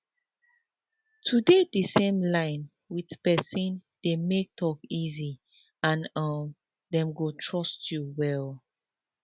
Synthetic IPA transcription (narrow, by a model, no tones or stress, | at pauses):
tʰudedəsẽmlãɪ̃n | witpɛsĩnd̥emek̚tʰɔkizi | ãnʌm | dɛ̃mɡotʰɹɔstjuwɛl